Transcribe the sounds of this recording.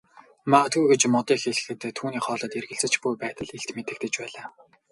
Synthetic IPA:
mat̪ʰujɡet͡ɕmɔt̪iːxeɮɘ̆xɘ̆t̪ʰːuːniːχɔːɮɞ̆ːt̪erɣɘ̆ɬt͡sɘ̆t͡ɕpujpæːt̪ə̆ɮeɬt̪met̪ɘ̆k̚t̪ɘ̆t͡ɕpæːɮaː

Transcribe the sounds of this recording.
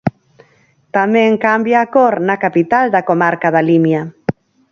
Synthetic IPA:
t̪amɛ̃ŋkambjaːkoɾnakapit̪ald̪akomaɾkaðalimja

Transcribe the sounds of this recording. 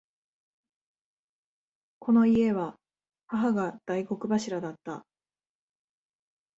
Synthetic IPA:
kʰo̞no̞ie̞βa | haɦaɡad̪̥aiɡo̞kɯ̟baɕiɾad̪at̪ːa̰

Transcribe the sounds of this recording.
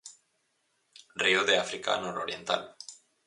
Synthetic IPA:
rioðeafɾika̰noɾoɾje̞nt̪a̰l

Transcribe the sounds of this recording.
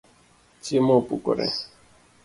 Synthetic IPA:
t͡ʃimopṵkʊ̰ɾɛ̰

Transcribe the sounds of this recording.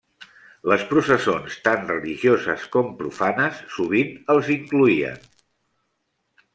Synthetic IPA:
ləspɾusəsonst̪anrəliʒiozə̰skɔmpɾṵfanəsːuβ̞inəlˠziŋkluiə̰n

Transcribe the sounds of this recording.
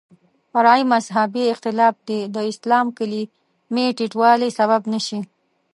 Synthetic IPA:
faɾɑimazɦabiɪqt̪ɪlɑf̚d̪ed̪əɪslɑmkəli | meʈiʈwɑlesaβabnəʃi

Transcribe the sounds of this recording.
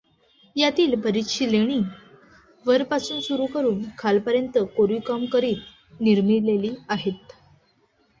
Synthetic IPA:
jat̪iːlbəɾikɕileɽ̃iː | ʋəɾpasuːnsuɾuːkəɾuːnkʰalpəɾjənt̪əkoɾiːkamkəɾiːt̪ | niɾmileliːaɦet̪

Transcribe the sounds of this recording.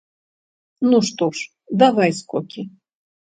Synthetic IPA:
nuʂt̪ɔʂ | d̪avajskɔkʲʰi

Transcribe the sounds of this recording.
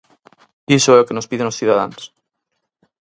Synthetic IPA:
isoɛokenospiðenosθið̞aðans

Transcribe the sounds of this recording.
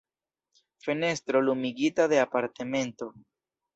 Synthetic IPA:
fe̞ne̞stɾo̞lumiɡitade̞apaɾteme̞nto̞

